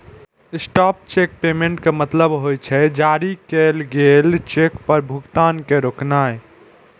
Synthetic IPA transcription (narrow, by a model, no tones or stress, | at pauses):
ɪsʈɔp̚t͡ʃek̚pemẽɳʈkemət̪ləbɦojt͡ʃʰɛd͡ʒaɾikelɡelt͡ʃekpəɾbʱuɡt̪aːnkeɾoknae